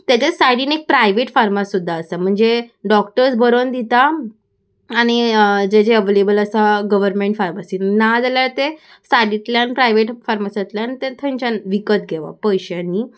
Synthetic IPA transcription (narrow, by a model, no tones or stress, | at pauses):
t̪jat͡ɕasajɽiːnek̚pɾajʋeʈfaɾmasːud̪ʱːaəsam̤əɳd͡zeɖɔkʈəɾsbʱəɾond̪it̪aː | ñid͡ʑed͡ʑeəʋelebələsaɡəʋəɾmẽɳʈfaɾmasinad͡zaljaɾt̪e | saɖit̪ljanpɾajʋeʈfaɾmasat̪ljanit̪et̪ʰə̃ɲt͡ɕanʋikət̪̚ɡʱeʋa̰pəjɕjaniː